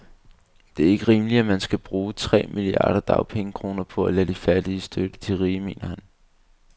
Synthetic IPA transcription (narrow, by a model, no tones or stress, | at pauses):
d̥e̝æɐe̝ɡ̥əʁiːməliæmænsɡ̥æb̥ʁuːt͡sʰʁɛ̰ːmʔiliɑ̰̈ːɾ̥ɐd̥ɑ̈ʊpʰeŋəkʰʁo̝ːnɐpʰɒ̽ælæd̥ifæɐd̥iəsd̥ød̥ət͡sʰeʁiːme̝̰ːnɐhæn